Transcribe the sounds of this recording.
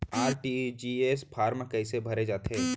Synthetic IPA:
aːɾʈid͡ʒieːspʰaːɾməkɐɪsebʱɐɾed͡ʒaːt̪eː

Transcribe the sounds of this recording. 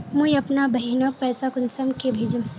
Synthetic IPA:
mũĩɐpnabɐɦinak̚pɛːsakʊnsɐmkebʱeːd͡ʒũ

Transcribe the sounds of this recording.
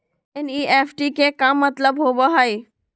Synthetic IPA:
eniepʰʈikekamːət̪ləbɦobɔɦəj

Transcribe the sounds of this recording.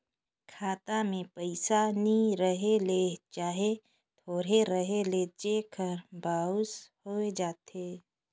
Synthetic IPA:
kʰaːt̪amẽpəɪsaniɾəɦelet͡ʃaːɦe | t̪ʰoːɾeɾəɦeleːd͡ʒekʰəɾbʱaːʊshoed͡ʒaːt̪eː

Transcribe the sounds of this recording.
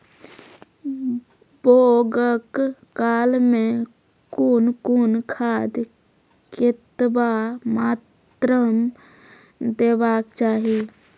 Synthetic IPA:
boːɡəkː | aːlmẽ | kunkunkʰaːd̪ | kɪt̪bamaːt̪ | ɾəm | d̪eːbaːkt͡ʃaːɦi

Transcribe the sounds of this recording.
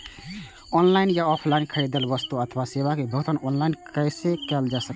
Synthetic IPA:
ɔːnlaɪnjaɔːpʰlaɪnkʰəɽid̪əlʋəst̪uət̪ʰʋaseʋakebʱəɦʊt̪ʰənɔːnlaɪnkəɪsekɛld͡ʒasək

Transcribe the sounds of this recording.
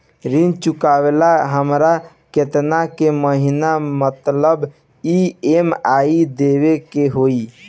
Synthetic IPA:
ɾint͡ʃukawelaɦəmɾa | ket̪nakeməɦinamət̪ləb | iemaid̪eβekeɦoi

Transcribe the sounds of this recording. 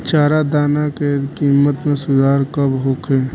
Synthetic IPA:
t͡ʃaːɾad̪aːnakekiːmːət̪mẽsʊd̪ʱaːɾkəbɦoːkʰeː

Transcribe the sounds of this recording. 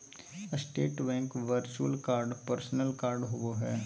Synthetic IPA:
sʈeːʈbɛ̃ːŋkʋəɾt͡ʃuəlkaːɾɖpəɾsnəlkaːɾɖɦʊʋoɦɛː

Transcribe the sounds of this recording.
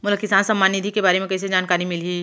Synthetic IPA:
mʊləkːɪsaːnsɐmːaːnːɪd̪ʱikebaːɾemẽkɛs̬ed͡ʒaːnkaːɾimɪlɦiː

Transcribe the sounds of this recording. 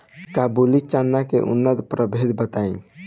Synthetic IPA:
kabulit͡ʃanːakḛʔṵnːəd̪pɾəbʱed̪bət̪aĩ

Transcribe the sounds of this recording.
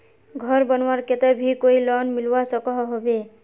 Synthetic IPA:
ɡʱɔɾbɔnwaɾket̪ɛbʱikoilɔnmilwasɔkɔɦɦɔbe

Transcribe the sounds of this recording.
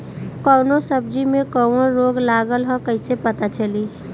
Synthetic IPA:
kɔːnosəb̚d͡ʒimẽkɔːwõɾoːɡlaːɡəlɦɔ̃kəɪsepɐt̪at͡ʃɐli

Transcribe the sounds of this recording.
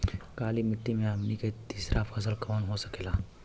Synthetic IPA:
kaːlimɪt̪ːimẽəmniket̪iːsɾʔafʰɐs̬əlkoːnɦosə̥keːlaː

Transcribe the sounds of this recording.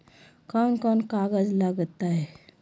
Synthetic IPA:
kankɔnkaɡəd͡zlaɡət̪ːaɦe

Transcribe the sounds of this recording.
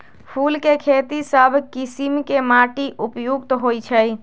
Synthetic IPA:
pʰulkekʰet̪isəbʱkisimkemaʈiʔupjuɡt̪ɦojt͡ʃʰəj

